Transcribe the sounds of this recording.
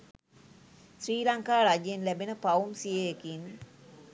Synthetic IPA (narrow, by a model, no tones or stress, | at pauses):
sriːlaŋkaːɾad͡ʒenlæbenəpaumsijeːkin